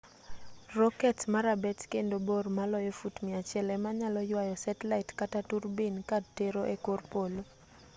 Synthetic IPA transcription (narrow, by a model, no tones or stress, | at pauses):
rɔkɛtmaɾabɛtkendobormalɔjɔfutmɪat͡ʃɪɛlɛmaɲalɔjwajɔsɛtlaɪtkataturbinkad̚teɾoʔekorpolo